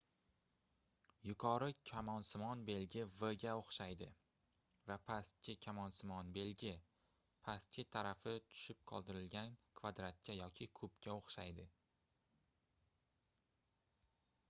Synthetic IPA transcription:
jʊqʰɒɾɪkʲʰamɒnsɪmɒnbe̞lɡʲɪvəɡʲaoχʃajd̪ɪ | vapʰast̪̚kʲɪkʲʰamɒnsɪmɒnbe̞lɡʲɪ | pʰast̪̚t͡ʃʲɪt̪ʰaɾafɪt̪ʰʊ̥ʃɪp̚qʰɒ̰lˠd̪ɪɾɪlɡʲankʰvad̪ɾat̪̚kʲʰajɒkʲʰɪkʰɵpkʲaoχʃajd̪ɪ

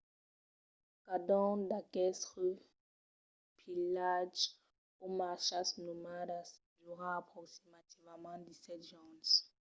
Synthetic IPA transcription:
kad̪ɔ̃d̪akɛsʁə | pilaʒ | omaʃasnomadas | d̪uʁãapχɔksimat̪ivamãd̪isɛt̪ʒɔ̃ns

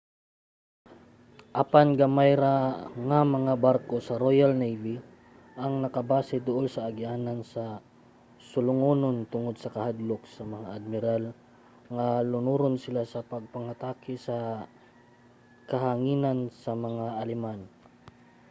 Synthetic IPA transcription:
ʔapanɡamajɾaŋɐmɐŋabaɾkosɐɾojalnejvi | ʔɐŋnɐkɐbaːsɪd̪ʊʔolsɐʔːɡɪʔaːnansɐ | sʊlʊŋoːnont̪ʊŋod̪̚sɐkɐhad̪lok̚sɐmɐŋaʔɐd̪̚mɪɾal | ŋalʊnuːɾonsɪlasɐpɐɡ̚pɐŋat̪aːkɪsɐ | kɐɦaŋiːnansɐmɐŋaʔɐlɛman

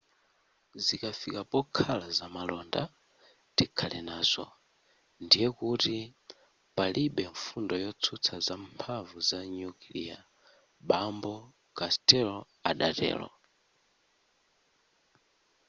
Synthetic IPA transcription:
zikafikapɔkʰalazamalɔnda | tikʰalɛnaːzʷɔ̰ | ndijɛkuti | palʔiɓɛɱfundɔjɔt͡sʰut͡sʰazampʰavuzaɲukilḭa | ɓambɔ | kastɛlɔ | aɗatɛ̰ːlɔ̰

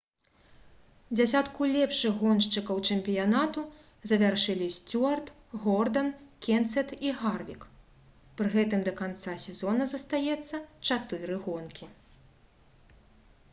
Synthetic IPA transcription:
d͡zʲasʲat̪kulʲɛpʂɨɣɣɔnʂt͡ʂɨkɐwt͡ʂɛmpʲijanat̪u | zɐvʲarʂɨlʲisʲt͡sʲuɐrt̪ | ɣɔrd̪ɐnkʲɛnt̪sɛt̪iɣarvʲḭk | pɾɨɣɛt̪ɨmd̪ɐkant̪sasʲɛzɔnɐzɐst̪ajɛt̪sːɐt͡ʂat̪ɨɾɨɣɔnkʲi

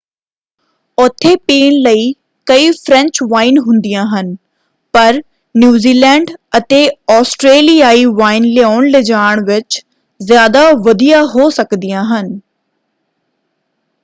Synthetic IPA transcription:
ʊt̪ʰːeːpeːɳləiː | kəiːfʰɾə̃ɲt͡ʃʋaːɪnɦʊ̃nd̪ijãːɦən | pəɾ | njuːziːlɛːɳɖət̪eːɔːsʈɾeːlijaːiːʋaːɪnleaːʊɳlɪd͡ʒaːɳ̃ʋɪt͡ʃ | zjaːd̪aːʋəd̪ijaːɦoːsəkd̪ɪjãːɦən

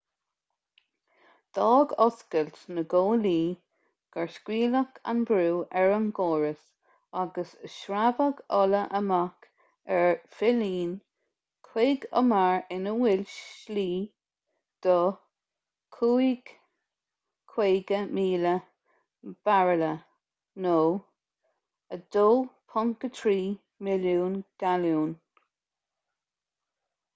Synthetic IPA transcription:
d̪̥ɑːɡɔskəltnəɡoːliː | ɡ̥aɹskwiːləkʰa̰nbɾuːʔɛɹəmɡoːɹəs | aɡəsəʃɾabəɡɔləʔəmak | ɛɹfɪliːn | kʰweːɡə̰maɹɪnəwɪlʲʃliː | d̪̥ɔ | kʰuːiɡ̥ | kʰw̥eːɡəmiːlə | b̥aɹələ | noː | əd̪̥oːpʰɔŋkət̪ʰɾiː | mɪljuːnɡ̥aljuːn

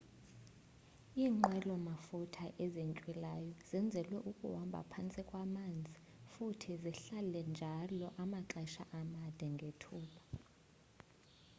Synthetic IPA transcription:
iːŋ͡ǃɛlɔmafutʰaʔɛzent͡ʃʼwilajɔzɛnd͡zʱɛlwɛʔukʼuwambʱa̰pʰant͡sʼikʼwamand͡zʱifutʰiziɬalɛnd͡ʒʱalɔʔamaǁɛʃa̰ʔamad̥ʱɛŋɡʱetʰuːɓa

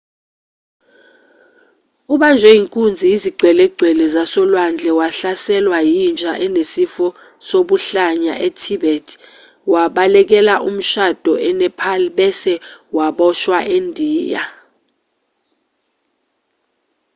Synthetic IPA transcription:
uɓand͡ʒʱwɛjiŋkʼund͡zʱiiziɡ͡ǀʱwɛlɛɡ͡ǀʱwɛlɛzasɔlwand͡ɮʱɛwaɬasɛlwajind͡ʒʱaʔɛnesifɔ | soɓuɬaɲa̰ʔetʰiɓɛtʰ | waɓalɛk̬ɛlaʔum̩ʃad̥ʱɔɛnɛpʰaliɓɛsɛwaɓɔʃwaʔendʱiːja̰

